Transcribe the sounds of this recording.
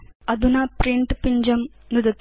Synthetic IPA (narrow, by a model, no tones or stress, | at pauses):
ɐd̪unɐpɾiɳʈpiɲd͡ʒɐm | nud̪ɐt̪ː